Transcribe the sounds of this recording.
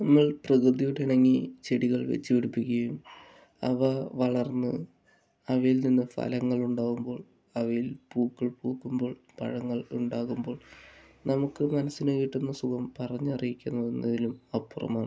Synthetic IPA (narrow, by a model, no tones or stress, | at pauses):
nɐmːɐɭprɐɣrɨd̪ijuɽiɽɐŋːit͡ɕeɽiɣɐɭʋḛt͡ɕːuʋiɽupːikʲːɐjum | ɐ̰ʋɐʋɐɭɐrnːɨ | ɐʋɐjilninːɨfɐ̰lɐŋːɐɭuɳɖaːɣumbo̞ːɭ | ɐʋɐjilpuːkːiɭpuːkːumbo̞ːɭ | pɐ̰ɻɐŋːɐɭuɳɖaːɣumbo̞ːɭ | nɐmukːɨmɐnɐsːineːʋiʈːunːɐsukɐmpɐrɐɲːɐrijikʲːunːɐðenːɐðilumɐpːurɐ̰maːɳɨ